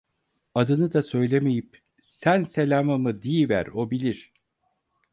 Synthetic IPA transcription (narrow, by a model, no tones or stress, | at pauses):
ad̪ɯnɯd̪asø̞jlʲeme̞jip̚ | sænse̞lʲaːmɯmɯd̪iːvæ̰ɾo̞bilʲiɾ̥